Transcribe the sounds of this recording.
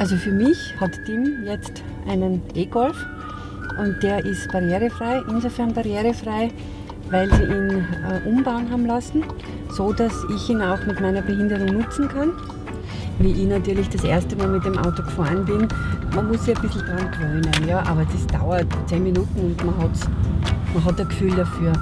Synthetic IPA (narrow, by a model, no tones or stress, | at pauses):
ʔalzofyːɐmɪçhatːɪmjɛt͡st | ʔa̰ɪnənʔeːɡ̥ɔlf | ʔʊnt̚d̥eːɐʔɪstb̥aʁjeːʁəfʁ̥aɪʔɪnzofɛɐnbaʁjeːʁəfʁ̥aɪ | vaɪlz̥iːʔiːnəʔʊmbaʊnɦaːbm̩lasn̩ | z̥oːdasɪçiːnaʊxmɪtmaɪnɐbəɦɪndəʁʊŋnʊt͡sn̩kʰan | viːʔɪçnatyːɐlɪçd̥asʔḛɐstəmaːlmɪt̚d̥emʔa̰ʊtoɡ̥faːɐnbɪnmɐnmʊssiɐb̥ɪsl̩d̥ʁankʁœʏnənjaːʔa̰ːbɐd̥isd̥a̰ʊɐtt͡seːnminuːtn̩ʊndmɐɦɑtsmɐɦɑt̚d̥asɡ̥fyːldafyːɐ